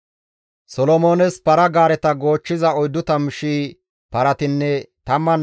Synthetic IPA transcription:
sɔlɔmoːnɛspɐɾɐɡaːɾɛt̪ɐɡo̞ːt͡ʃːɪzɐɔjd̪ːʊt̪ɐmɪʃiː | pɐɾɐt̪ɪnːɛt̪ɐmːɐn

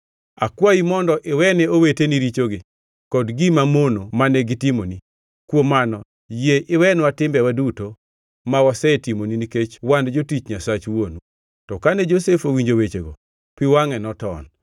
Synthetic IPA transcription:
a̰kwaimɔndɔʔɪwɛnɛoweteniɾit͡ʃoɡɪ | kɔdɡimamonomanɛɡitimoni | kwomanɔ | jeʔɪwɛnwatɪmbɛwaduto | mawɔsɛtimoniniket͡ʃwandd͡ʒotit͡ʃɲasat͡ʃwonu | tɔkanɛd͡ʒosefowiɲd͡ʒowet͡ʃeɡɔ | piwaŋɛnɔtɔ̰n

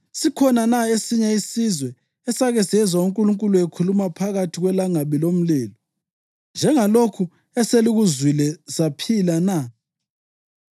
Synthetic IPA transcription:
sikʰɔnanaesiɲaisizwɛ | ɛsaɣɛsɛzwauŋkʼuluŋkʼuluekʰulumapʰaɣatʰiɣwɛlaŋaβilom̩lɛːlɔ | nd͡ʒʱɛŋalokʰu | ɛseliɣuzwilɛsapʰilana

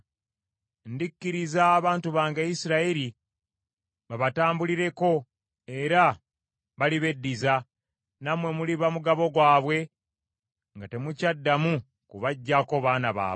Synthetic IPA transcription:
ndikːiɾizaːβaːntuβaːŋɡaisiɾaiɾi | βaβataːmbuliɾe̞ko̞ | e̞ɾa | βaliβe̞dːiza | namwe̞muliβamuɡaβo̞ɡwaːβwe̞ | ŋɡate̞mucadːamu | kuβaɟːako̞βaːnaβa̰ː

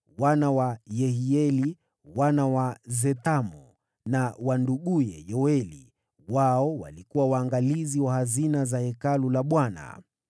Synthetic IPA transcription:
wanawajɛhiɛli | wanawazɛtamɔ | nawanduɠujɛ̰jɔwɛlḭ | waɔwa̰likuwawaːŋɡaliziwahazinazahɛkalulaɓwana̰

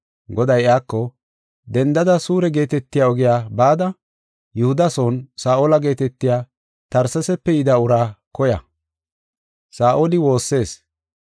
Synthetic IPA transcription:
ɡɔd̪ɐjɪaːkːɔ | d̪ɛnd̪ɐd̪ɐsuːɾɛɡe̞ːt̪ɛt̪ːɪjaːɔɡɪjaːbaːd̪ɐ | jʊhʊd̪ɐsoːnsaːʔoːlɐɡe̞ːt̪ɛt̪ːɪjaː | t̪ɐɾsɐsɛpːɛjɪd̪ɐʊɾaːkɔjɐ̰ | saːʔolɪwo̞ːsːe̞ːs

